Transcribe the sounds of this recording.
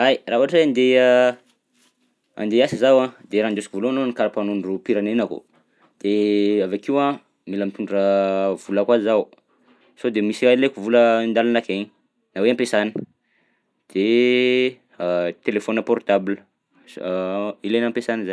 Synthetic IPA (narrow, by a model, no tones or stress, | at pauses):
ajraɦuaʈ͡ʂeand̪e | a̰nd̪easizawãd̪eɾaːnd̪osi̥kivolononikaɾapanuɳɖ͡ʐupiɾanenako̰ | d̪̥eavakiwã | milamit̪uɳɖ͡ʐrav̥ulakwazaw | sod̪emisiailekuvuləind̪alanakeɲ | naweampesanə̥ | d̪̥e | t̪elefonaport̪ablə | ilenampesaniza